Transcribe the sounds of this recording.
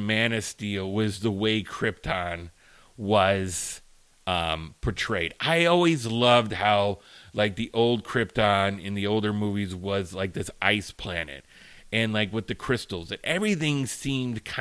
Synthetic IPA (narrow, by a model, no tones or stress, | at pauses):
mænɨstilˠwʌzðəweɪkʰɹ̥ɪp̚tʰɑ̃n | wʌz̥ | ʌ̃mpʰə˞tʰɹ̥eɪɾaɪɔlˠwizlʌvd̚haʊlaɪk̚ðiʔoʊlˠd̚kʰɹ̥ɪp̚tɑ̃nɪ̃nðioʊlˠdə˞muvizwʌzlaɪk̚ðɪsʔa̰ɪspʰl̥ænɨ̰t̚ | ɨ̃nlaɪkwɨðɨkʰɹ̥ɪstl̩ˠzɨ̃nʔɛvɹiθɪ̃ŋsĩmdkʰã